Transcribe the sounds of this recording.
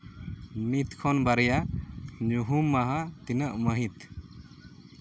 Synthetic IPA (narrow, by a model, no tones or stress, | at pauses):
mit̪kʰɔnbaɾɛjaɲuɦumːaɦat̪inaʔumaɦĩt̪